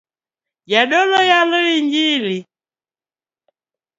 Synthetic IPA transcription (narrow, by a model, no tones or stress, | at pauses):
ɟaɗɔlɔjalɔiɲd͡ʒili